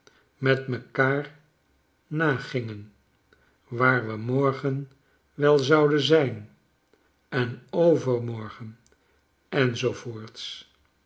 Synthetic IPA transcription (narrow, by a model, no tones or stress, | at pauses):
mɛtməkaːr | naːχɪŋən | ʋaːɹʋəmɔɹχən | ʋɛlˠzɑwdənzɛjn | ɛnowvəɹmɔɹχən | ɛnzovoːɹts